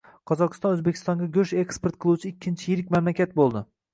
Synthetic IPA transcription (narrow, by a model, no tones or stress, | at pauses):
qʰɒzɒqɨst̪ɒnɵzbe̞kʲʰɪ̥st̪ɒŋɡʲaɡʲɵʃekspeɾt̪̚qʰɨlˠuwt͡ʃʰɪɪkʲʰːɪnt͡ʃʰɪjɪɾɪkʲmamlakʲat̪̚bolˠd̪ɪ